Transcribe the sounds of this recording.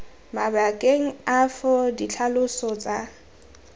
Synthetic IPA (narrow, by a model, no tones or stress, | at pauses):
mabakʼeŋ̩afʊdit͡ɬʰalʊsɔt͡sʼa